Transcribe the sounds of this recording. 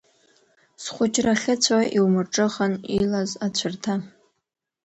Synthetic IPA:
sχʷʊt͡ʃʼraχʲɪt͡ɕʷʰaʔiwmɨrʈ͡ʂʼɨχanilazat͡ɕʷʰɨrtʰa

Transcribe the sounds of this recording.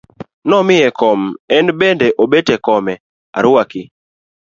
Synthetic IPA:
nɔmɪɛkɔmɛnbendɛʔobetɛkɔmɛ | a̰ɾwakɪ

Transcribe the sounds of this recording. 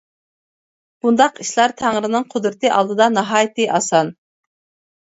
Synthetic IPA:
b̥und̪ɑqiʃlˠɑɾt̪ʰæŋɾɪnɨŋqʰod̪ɾɨt̪ɨʔɑlˠd̪ɨd̪ɑnɑɦɑːjt̪ɨʔɑsɑn

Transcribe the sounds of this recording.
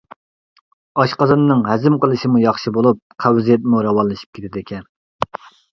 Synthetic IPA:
ɑʃqɑzɑnːɨŋɦɛzɪmqəlˠɨʃimujɑχʃibolˠup̚qʰæwzijɛt̪̚muɾɑwɑnlˠɨʃi̥p̚kʲʰe̥t̪ʰɪd̪ɪkʲʰɛn

